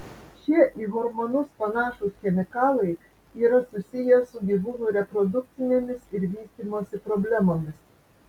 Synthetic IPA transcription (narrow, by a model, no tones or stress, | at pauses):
t͡ʃʲiɛʔiːɦɔɾmɔnʊspɐnɑːʃʊsxʲɛmʲɪkɑːlˠɐɪ | iːɾɐsʊsʲɪjɛsʊɡʲiʋuːnʊɾʲɛpɾɔd̪ʊk̚t̪sʲɪnʲemʲɪsɪɾʋʲiːsʲt̪ʲiːmoːsʲɪpɾɔbʲlʲɛmoːmʲɪs